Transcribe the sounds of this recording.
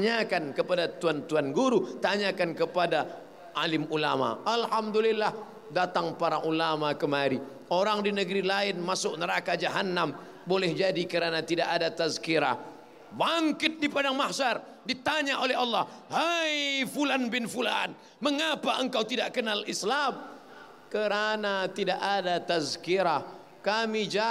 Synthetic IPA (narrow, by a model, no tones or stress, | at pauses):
ɲakankəpadat̪uant̪uanɡuɾut̪aɲakankəpada | ʔalɪmulama̰alhamd̪ulilːah | dat̪aŋpaɾaʔulamakəmaɾi | oɾaŋdinəɡɾilaɪnmasʊʔ̚nəɾakad͡ʒaɦanːam | bolɛhd͡ʒadikəɾanat̪idaʔadat̪azkiɾa̰ | baŋkɪt̪̚dipadaŋmahsar | dit̪aɲaʔolɛɦɑlːɑhhajfulanbɪnfula̰n | məŋapaʔəŋkawt̪idaʔkənalislam | kəɾanat̪idaʔadat̪azkiɾah | kamid͡ʒa